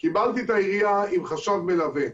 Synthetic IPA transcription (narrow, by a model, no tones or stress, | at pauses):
kibalt̪it̪aiʁijaimχaʃavmelave